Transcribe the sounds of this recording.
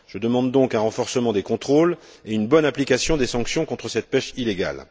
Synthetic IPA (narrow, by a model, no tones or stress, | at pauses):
ʒ̥əd̪əmɑ̃d̪ːɔ̃kɛ̃ʁɑ̃fɔʁsəmɑ̃d̪ekɔ̃t̪χol | eynbɔnaplikasjɔ̃d̪esɑ̃ksjɔ̃kɔ̃t̪χəsɛt̪̚pɛʃileɡa̰l